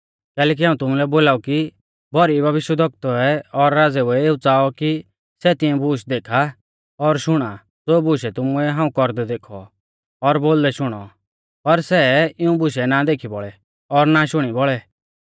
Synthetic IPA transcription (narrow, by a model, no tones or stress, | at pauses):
kɛːlɛːk̬iɦaːũt̪ʊmulɛboːlaːuki | bʱɔɾibʱɐʋɪʃjəd̪ʱɔk̚t̪ɔɛɔɾːaːd͡zɛʊɛeːut͡saːɔki | sɛt̪ɪɛ̃bʱʊːʃd̪eːkʰa | ɔɾʃʊɽ̃a | d͡zoːbʊʃɛt̪ʊmuɛɦaːũkɔɾd̪ɛd̪eːkʰɔ̰ | ɔɾboːld̪ɛʃʊɽ̃ɔ̰ | pɐɾsɛːɪũbʊʃɛnad̪eːkʰibɔɭɛ | ɔɾnaʃʊɽ̃ibɔɭɛ